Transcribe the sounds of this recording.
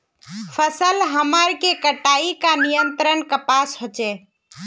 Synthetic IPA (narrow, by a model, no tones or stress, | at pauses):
pʰəsəlɦəməɾkekəʈaikanijənt̪ɾənkəpasɦot͡ʃɛ